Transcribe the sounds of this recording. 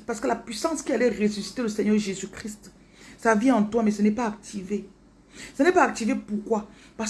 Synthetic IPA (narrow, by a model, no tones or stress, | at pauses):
paʁsə̥kəlapɥisɑ̃skʲialɛʁesysi̥t̪eləsɛɲœʁʒezykχist̪ | saviɑ̃t̪wamɛsənɛpaːk̚t̪ʰive | sənɛpaːk̚t̪ivepuʁkwa | pas